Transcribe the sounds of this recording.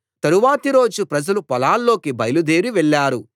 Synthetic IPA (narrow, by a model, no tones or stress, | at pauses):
t̪ɐɾuʋaːt̪iɾo̞ːd͡ʒupɾɐd͡ʒɐlupɐlaːlːo̞ːkibɐjlud̪eːɾiʋɛɭːaːɾu